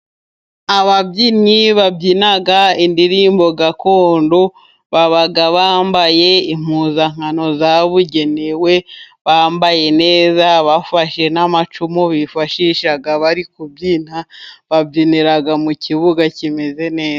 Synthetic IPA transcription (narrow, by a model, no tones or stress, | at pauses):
aβabɟiniβabɟinaɡaindiɾiːmbo̞ɡako̞ːndo | βaβaɡaβaːmbaje̞im̥uːzaŋ̥ano̞zaβuɟe̞newe̞ | βaːmbaje̞ne̞ːzaβafaʃe̞namat͡ʃumuβifaʃiʃaɡaβaɾikubɟiːnaβabɟiniɾaɡamuciβuɡacime̞ze̞ne̞ːa